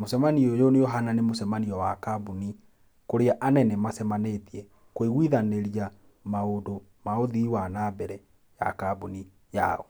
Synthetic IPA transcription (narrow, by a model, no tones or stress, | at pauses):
mosɛmaniojonejoɦananemosɛmaniɔwakabuni | koɾeaʔanɛnɛmasɛmanetiɛ | koeɣwiðaneɾia | maodo | maoðiwanabɛɾɛ | ja̰kabuni | ja̰ɔ̰